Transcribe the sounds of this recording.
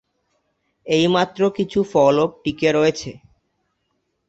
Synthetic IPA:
ejmat̪ːɾokit͡ɕʰufɔlop̚ʈikeɾɔet͡ɕʰe

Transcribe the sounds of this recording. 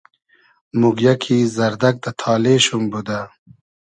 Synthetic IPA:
muɡjakʰizɐɾd̪ak̚d̪ɐt̪ʰɑːleʃumbud̪a

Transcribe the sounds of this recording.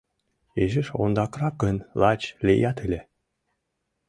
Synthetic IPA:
eʒɘʃo̰nd̪ɑkrɑkənlˠɑt͡ɕlʲejɑt̪ɨlʲe

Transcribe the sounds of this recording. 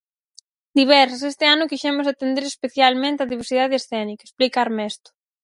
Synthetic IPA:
d̪iβɛɾs̬ɐs̬est̪ɪanʊkiʃɛmʊs̬at̪end̪eɾespeθjalmẽnt̪eaðiβeɾsiðaðeesθɛnikaesplikaɾmɛst̪ʊ̥

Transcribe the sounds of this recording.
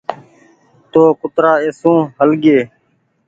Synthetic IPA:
t̪oːkʊt̪ɾaːeːsũːɦəlɡeː

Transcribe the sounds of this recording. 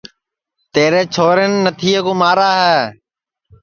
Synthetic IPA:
t̪eːɾeːt͡ʃʰoːɾeːnːət̪ʰiːeːkoːmaːɾaːɦɛː

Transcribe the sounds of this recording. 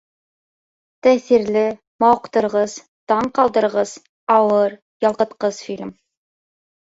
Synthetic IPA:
t̪æθiɾlɘ | mɑwɤ̆qt̪ɤ̆ɾʁɤz | t̪ɑɴqɑlˠd̪ɤ̆ɾʁɤz̥ | ɑwɤɾ | jɑlˠqɤ̆t̪qɤz̥filʲm

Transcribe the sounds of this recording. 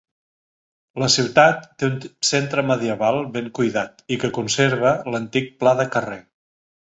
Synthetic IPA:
ləsiwt̪at̪ːeunsent̪ɾəməðiəβalˠβeŋkujðat̪ikəkunseɾβ̞ələnt̪ik̚plaðəkərɛ

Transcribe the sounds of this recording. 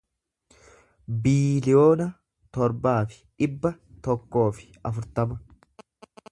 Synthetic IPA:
biːlɪjo̞ːnɐ | t̪ɔɾbaːfɪ̥ᶑɪbːɐ | t̪ɔkːo̞ːfɪ̥ | ɐfʊɾt̪ɐmɐ

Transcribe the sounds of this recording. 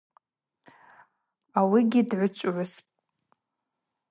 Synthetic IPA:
awiɡʲidʕʷʊt͡ʃʷʼʕʷʊspʼ

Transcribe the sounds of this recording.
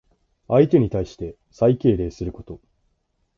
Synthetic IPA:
ait̪e̞ɲ̟it̪aiɕi̥t̪e̞ | saike̞ːɾe̞ːsɨɾɯ̟ko̞̥t̪o̞

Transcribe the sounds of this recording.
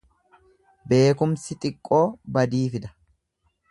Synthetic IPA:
be̞ːkʊmsɪt̪ʼɪkʼːo̞ːbɐd̪iːfɪd̪ɐ̥

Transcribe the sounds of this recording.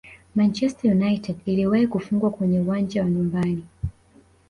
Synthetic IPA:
mant͡ʃɛstajunaitʰɛdiliwahikufuŋɡwakwɛɲɛuwaɲd͡ʒawaɲumbani

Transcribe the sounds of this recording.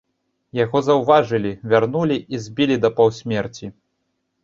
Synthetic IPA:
jaɣɔzɐwvaʐɨlʲivʲarnulʲiʔizʲbʲilʲid̪ɐpɐwsʲmʲɛrt͡sʲi

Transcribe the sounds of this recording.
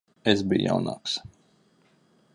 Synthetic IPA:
esbijja̰wna̰ːks

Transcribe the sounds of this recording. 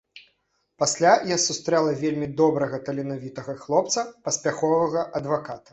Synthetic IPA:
pasʲlʲajasust̪ɾɛlˠɐvʲelʲmʲid̪ɔbɾɐɣɐt̪ɐlʲinavʲit̪ɐɣɐxlˠɔp̚t̪sɐpɐsʲpʲaxɔvɐɣɐʔɐd̪vakat̪ɐ̥

